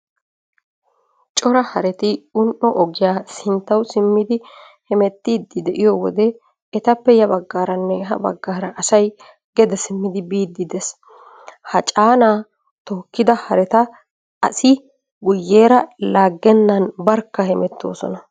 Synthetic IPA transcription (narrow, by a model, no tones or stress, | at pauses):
t͡ʃʼɔɾɐhɐɾɛt̪ɪʊnʔɔʔɔɡɪjaːsɪnt̪ːɐwsɪmːɪd̪ɪ | hɛmɛt̪ːiːd̪ːɪd̪ɛʔɪjɔwɔ̰d̪ɛː | t̪ɐpːɛjɐbɐɡːaːɾɐnːɛɦɐ̰bɐ̰ɡːaːɾɐʔɐsɐj | ɡ̥ɛd̪ɛsɪmːɪd̪ɪbiːd̪ːɪd̪ɛs | hɐt͡ʃʼaːnaː | t̪ɔːkːɪd̪ɐhɐɾɛt̪ɐ | ɐ̰sɪ | ɡʊjːeːɾɐlaːɡːɛnːɐnbɐɾkːɐhɛmɛt̪ʰːo̞̰ːsɔ̰nɐ